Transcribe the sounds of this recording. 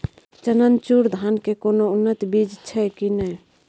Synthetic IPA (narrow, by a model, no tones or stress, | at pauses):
t͡ʃənənt͡ʃuɾd̪ʱankekonounːət̪bid͡ʒt͡ʃʰɛkinɛ